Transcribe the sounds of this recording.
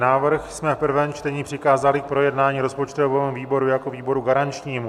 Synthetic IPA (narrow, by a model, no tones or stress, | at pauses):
naːvr̩xsmɛfpr̩vɛmt͡ʃt̪ɛɲiːpr̝̥ɪkaːzalɪk̚pɾo̞jɛdnaːɲiːɾo̞spo̞t͡ʃt̪ovɛːmuviːbo̞ɾujako̞viːbo̞ɾuɡaɾant͡ʃɲiːmu